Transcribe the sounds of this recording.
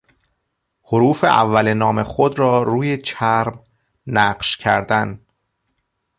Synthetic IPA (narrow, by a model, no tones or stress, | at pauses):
hoɾuːfḛʔæ̰vːælenɒːme̞xod̪ɾɒːɾuːjet͡ʃʰæɾm | næɢʃcʰæ̰ɾd̪æn